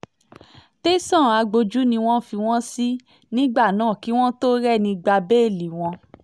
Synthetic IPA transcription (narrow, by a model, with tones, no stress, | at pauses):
te˦sã˦˨a˧ɡ͡bo˧d͡ʒu˦nĩ˧w̃ɔ̃˦fi˧w̃ɔ̃˦si˦ | nĩ˦ɡ͡ba˦˨nãː˦˨ki˨˦w̃ɔ̃˦to˦ɾɛ˦˨nĩ˧ɡ͡ba˧be˦e˦˨li˨w̃ɔ̃˧